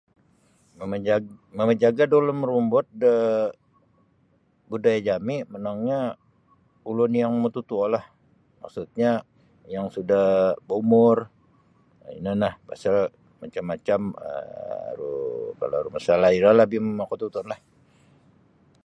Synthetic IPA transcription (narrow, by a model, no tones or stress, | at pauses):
əməməɲd͡ʒaɡadolʊməɾumbɔt̪̚də | budajad͡ʒamɪmənaŋɲa | ulʊnjaŋmət̪ut̪uɔlah | ma̰ksut̪̚ɲa | jaŋsudahboumʊr | ḭnənahpa̰sal | mat͡ʃamːat͡ʃamə̰ɾṵka̰laɾumasalaiɾalabɪməmakot̪ut̪ʊnlah